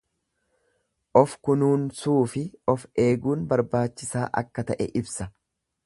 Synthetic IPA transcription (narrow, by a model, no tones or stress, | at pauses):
ʔɔfkʊnuːnsuːfɪʔɔfe̞ːɡuːnbɐɾbaːt͡ʃːɪsaːʔɐ̰kːɐt̪ɐʔɛ̰ʔɪbsɐ